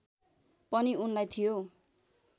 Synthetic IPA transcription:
pʌniunlajt̪ʰijo

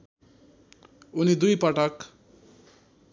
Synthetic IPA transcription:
unid̪ujpʌʈʌk

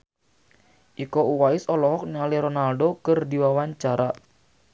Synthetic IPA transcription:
ʔikouwaɪsɔlɔɦɔk̚nialiɾɔnalɖokərdiwawaɲt͡ʃaɾa

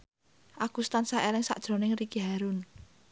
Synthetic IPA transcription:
ʔaɡ̥ust̪ansaʔelɪŋsa̰ʔd̥ʒ̥ɾo̤nɪŋrikiɦaɾun

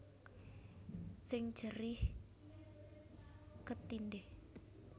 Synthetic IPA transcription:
sɪŋd̥ʒ̥əɾɪh | kət̪indeh

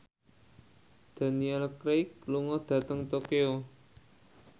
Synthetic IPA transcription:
d̪̥ä̤niɛlkɾejk̚luŋɔd̪̥ä̤t̪əŋt̪okeo

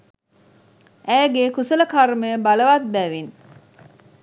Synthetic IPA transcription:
ʔæːɡekusɐlɐkɐrmejəbɐlɐʋat̪̚bæʋin

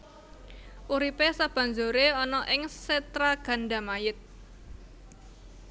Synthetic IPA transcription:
ʔuɾipesab̥ä̤nd͡ʒoɾeɔnɔʔɪŋset̪ɾaɡ̥a̤nɖa̤majɪt̪̚

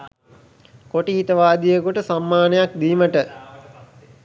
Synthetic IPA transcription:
koʈihit̪əʋaːd̪ijəkuʈəsamːaːnejak̚d̪iːməʈə

